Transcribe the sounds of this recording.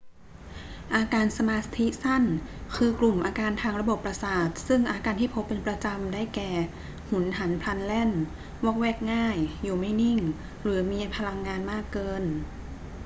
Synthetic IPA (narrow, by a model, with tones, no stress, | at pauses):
ʔaː˧kaː˧nsa˧maː˧t̪ʰi˦˥sa˥˩nkʰɯː˧klu˨˩mʔaː˧kaː˧nt̪ʰaː˧ŋɾa˧bo˨˩pːɾa˧saː˨˩t̪̚sɯ˥˩ŋʔaː˧kaː˧nt̪ʰiː˥˩pʰo˦˥pːe˧npɾa˧t͡ɕa˧mdaː˥˩jkɛː˨˩ | hu˩˦nɦa˩˦npʰla˧nlɛ˥˩n | wɔ˦˥˩k̚wɛː˥˩k̚ŋaː˥˩jːuː˨˩ma˥˩jni˥˩ŋ | ɾɯː˩˦miː˧pʰa˧la˧ŋːaː˧nmaː˥˩kːɤː˧n